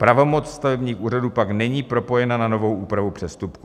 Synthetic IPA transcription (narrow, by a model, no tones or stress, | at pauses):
pɾavo̞mot͡sst̪avɛbɲiːxʔuːraduːpaknɛɲiːpɾo̞po̞jɛnanano̞vo̞wʔuːpɾavupr̝̥ɛst̪upku